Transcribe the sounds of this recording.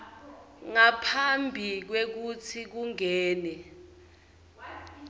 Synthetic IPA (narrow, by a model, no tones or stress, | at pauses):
ŋapʰambʱik̬wek̬ut͡sʰik̬uŋɛːnɛ